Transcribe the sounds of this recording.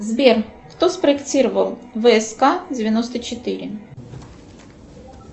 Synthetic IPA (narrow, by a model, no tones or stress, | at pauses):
zbʲerkt̪ospɾəɪktʲiɾəvəlˠvəɛskadʲɪvʲɪnost̪ət͡ɕɪt̪ɨɾʲɪ